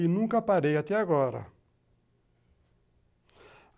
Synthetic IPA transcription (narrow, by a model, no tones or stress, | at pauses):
inũŋkapaɾejat̪ɛaɣɔɾa̰